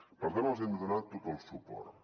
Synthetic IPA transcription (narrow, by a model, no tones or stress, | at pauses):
pəɾkɛnolˠzɛmd̪unat̪ːot̪əlˠsupɔ̰rt̪